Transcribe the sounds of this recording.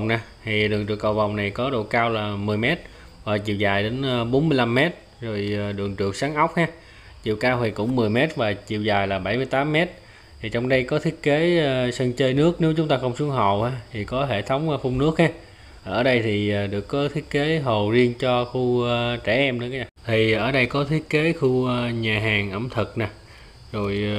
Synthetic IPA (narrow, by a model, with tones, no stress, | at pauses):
wŋ͡mnaː˨˩t̪ʰi˨˩ɗɨ˨˩ŋt͡ɕɨ̰˨˩əkːə̰˨˩wva˨˩wŋ͡mna˨˩jkɔ˨˦ɗo̰˧˨kaː˧wlaː˨˩mɨ˨˩əjmɛ˦˥t̚ | vaː˨˩t͡ɕḭ˧˨əwzaː˨˩jɗe˨˦n˧ɓo˨˦nmɨ˧jla˧mːɛ˦˥t̚ | zo˨˩jɗɨ˨˩əŋt͡ɕɨ˨˩ək̚saː˨˦ŋʔa˦˥wk͡p̚haː˧ | t͡ɕḭ˧˨əwkaː˧wt̪ʰi˨˩kʊ̰˧˥ŋ͡mmɨ˨˩əjmɛ˦˥t̚vaː˨˩t͡ɕḭ˧˨əwzaː˨˩jlaː˨˩ɓa˧˩jmɨ˧jt̪aː˨˦mːɛ˦˥t̪̚ʰ | i˨˩t͡ɕɔ˧wŋ͡mɗə˧jkɔ˨˦t̪ʰi˦˥ət̚ke˨˦˧sə˧nt͡ɕəː˧jnɨ˦˥ək̚ne˨˦wt͡ɕʊ˨˦ŋ͡mt̪aː˧xə˧wŋ͡msu˨˦əŋɦə̰˧˨whaː˧˦t̪ʰi˨˩kɔ˨˦ɦe˧˩t̪ʰə˨˦wŋ͡mfʊ˧ŋ͡mnɨ˦˥ək̚haː˧˥ | ʔəː˧˩ɗə˧jt̪ʰiː˨˩˨ɗɨ˨˩əkːɔ˨˦t̪ʰi˦˥ət̚ke˨˦ɦo˨˩zi˧ənt͡ɕɔ˧xu˧t͡ɕɛ˧˩ʔɛ˧mɗɨ˧˨˦kaː˨˦ɲaː˨˩t̪ʰi˨˩ʔəː˧˩ɗə˧jkɔ˨˦t̪ʰi˦˥ət̚ke˨˦xu˧ɲaː˨˩ɦaː˨˩ŋʔə˧˩mt̪ʰɨ˨˩k̚naː˨˩ | zo˨˩j